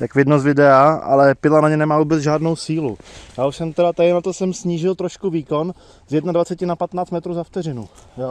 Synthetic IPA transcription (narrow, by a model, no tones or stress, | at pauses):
t̪akvɪdnozvɪdɛaa̰lɛpɪlanaɲɛnɛmaːvuːbɛd͡zʒaːdno̞wsiːlṵjaːuʃsɛmt̪ɛɾat̪adɪnat̪o̞sɛmsɲiːʒɪlt̪ɾoʃkuviːko̞n | zjɛdnadvat͡sɛcɪnapat̪naːt͡st̪mɛt̪ɾuːzaft̪ɛɾɪnujo